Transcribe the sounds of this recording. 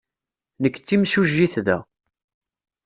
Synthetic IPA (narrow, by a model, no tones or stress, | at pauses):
nəkːt͡sːimsuʒːiθðæ̰